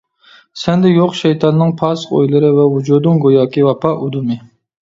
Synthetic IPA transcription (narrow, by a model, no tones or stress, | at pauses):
sɛnd̪ɛjoqʃɛjt̪ʰɑnːɨŋpʰɑsqo̰jlˠɨɾɨvɛwud͡ʒud̪ɨŋɡojɑːkʲivɑpɑʔud̪umɪ